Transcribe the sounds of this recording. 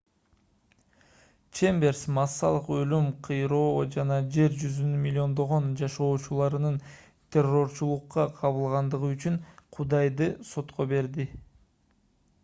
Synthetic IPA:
t͡ʃembe̞rsmɑsːɑlˠɯqø̞lymqʰɯjɾo̞ːd͡ʒɑnɑd͡ʒe̞ɾd͡ʒyzynymilʲːo̞nd̪o̞ʁo̞nd͡ʒɑʃo̞ːt͡ʃulˠɑɾɯnɯn | t̪ʲʰe̞ro̞ɾt͡ʃulˠuqːɑqʰɑβɯlˠʁɑnd̪ɯʁɯyt͡ʃyɴqʰud̪ɑjd̪ɯso̞t̪qo̞be̞ɾd̪i

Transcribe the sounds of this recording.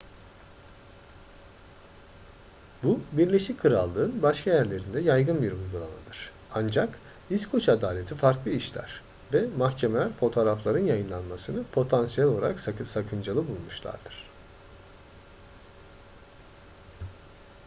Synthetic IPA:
bubiɾlʲe̞ʃickʰːɯɾalˠːɯːnbaʃkʰajæɾlʲe̞ɾind̪ɛjajɡɯnbiɾujɡulˠa̰ma̰d̪ɯɾ̥ | and͡ʒak | iskʰo̞t͡ʃʰad̪aːlʲe̞t̪ʰifaɾklˠɯiʃlʲæ̰ɾ̥ | vɛmahcʰemelʲæɾfo̞t̪ʰo̞ːɾaflˠaɾɯnjajɯnlˠanmasɯnɯpʰo̞t̪ʰansijælʲo̞lˠaɾaksakʰɯnd͡ʒalˠɯbulˠmuʃlˠa̰ɾd̪ɯɾ̥

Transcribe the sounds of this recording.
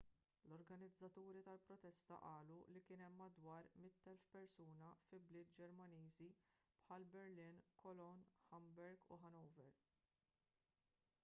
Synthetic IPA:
lɔɾɡɐnɪd͡zːɐt̪uːɾit̪ɐlpɾɔt̪ɛst̪ɐ̰ʔɐːlulikɪːnɛmːɐd̪wɐːɾmɪt̪ːɛlfpɛɾsuːnɐfɪlblɪːt̪̚d͡ʒɛɾmɐniːzipħɐlbɛɾlɪnkʰɔlɔnħɐmbɛɾɡṵħɐnɔwvɛɾ

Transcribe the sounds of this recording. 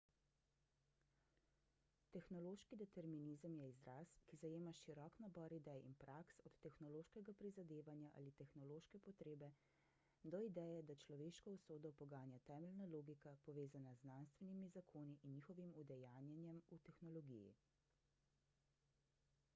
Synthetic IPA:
t̪ɛxnɔloːʃkid̪ɛt̪ɛɾminizəmjɛizɾaskizajeːmaʃiɾɔknabɔɾid̪ɛjḭnpɾʔaksɔt̪ːɛxnɔloːʃkɛɡapɾizad̪eːʋanjaʔa̰ːlit̪ɛxnɔloːʃkɛpɔt̪ɾeːbɛ | d̪ɔid̪ɛjɛd̪at͡ʃlɔʋeːʃkɔusoːd̪ɔpɔɡaːnjat̪ɛːmɛlnaloːɡikapɔʋeːzanazːnanst̪ʋɛnimizakʰoːniʔinːixɔʋimud̪ɛjaːnjɛnjɛmut̪ɛxnɔlɔɡḭjḭ

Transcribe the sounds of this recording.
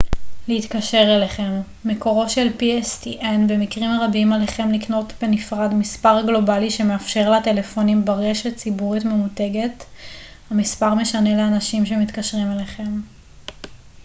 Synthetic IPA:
leitkaʃe̞ʁeleχe̞mː | e̞ko̞ʁo̞ʃe̞lpiestiʔenbemikʁimaʁabimale̞χe̞mlikno̞tbenifʁadmispaʁɡlo̞baliʃe̞meafʃe̞ʁlate̞le̞fo̞nimbaʁeʃett͡sibuʁitme̞mute̞ɡe̞t | hamispaʁme̞ʃane̞leanaʃimʃe̞mit̪kaʃʁimeleχe̞m

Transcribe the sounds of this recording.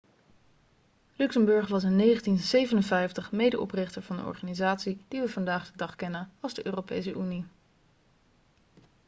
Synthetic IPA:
lyksəmbɵɹχʋɑs̬ənːejχəntinsejvənənvɛjftəχmejdəʔɔ̰prɪχtəɹv̥ɑndə̰ɔ̰ɹχaːnizaːtsid̥iʋəvɑndaːχd̥ədɑχkɛnənɑlˠzdəʔøːrowpḛjsəʔyni

